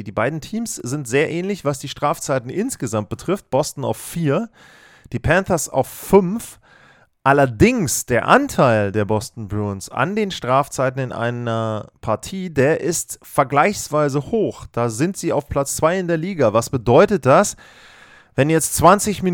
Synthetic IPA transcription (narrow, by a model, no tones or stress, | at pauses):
diːbaɪdn̩tʰiːmsz̥ɪntz̥eːɐʔɛːnlɪçv̥asd̥iːʃtʁ̥aːft͡saɪtn̩ʔɪnsɡ̥əzamt̚b̥ətʁ̥ɪft̚b̥ɔstn̩a̰ʊffiːɐ | d̥iːpʰɛnθɐsa̰ʊfːʏnf | ʔalɐdɪŋsd̥eːɐʔantʰaɪldeːɐbɔstn̩bʁunsa̰ndeːnʃtʁ̥aːft͡saɪtn̩ɪnʔa̰ɪnɐpʰaɐtʰiːdeːɐʔɪstfɛɐɡlaɪçsv̥aɪzəhoːxd̥aːzɪntz̥iːa̰ʊfpʰl̥at͡st͡sv̥aɪɪndeːɐliːɡavasb̥ədɔʏtət̚d̥as | vɛnjɛt͡stt͡sv̥ant͡sɪçmi